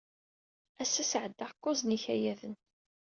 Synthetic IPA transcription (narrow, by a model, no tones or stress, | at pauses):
æsːæsʕəd̪ːaʁkːʊzniçæjæðən